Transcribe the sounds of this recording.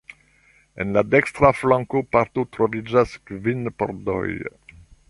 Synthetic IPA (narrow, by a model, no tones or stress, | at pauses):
ḛnladekstɾaflãŋkopaɾt̪otɾovid͡ʒaskvinpo̰ɾdo̰j